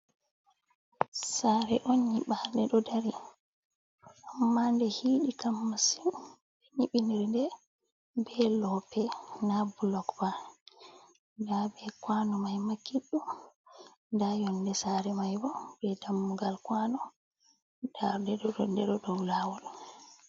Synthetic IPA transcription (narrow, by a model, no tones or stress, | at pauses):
saɾɛʔɔnɲiɓaɾdɛɗɔdaɾi | ʔamːandɛhiːɗikamːasim | bɛɲiɓiniɾndɛ | bɛlɔpɛnabulɔkba | dabɛkwanɔmajmakːiɗːu | dajɔndɛsaɾɛmajbɔbɛdamːuɡalkwanɔ | d̥aɾdɛɗɔdɔndɛɗɔdɔwlaːwɔɗu